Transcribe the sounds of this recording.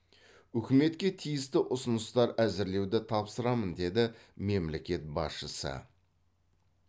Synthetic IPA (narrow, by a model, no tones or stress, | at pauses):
ʏkʲɪme̞t̪kʲe̞t̪ʰijɪst̪ɪʔʊsʊnəst̪ɑɾæzɪɾle̞wd̪ɪt̪ʰɑpsəɾɑmənd̪e̞d̪ɪme̞mle̞kʲe̞t̪̚bɑ̰sʃəsə̰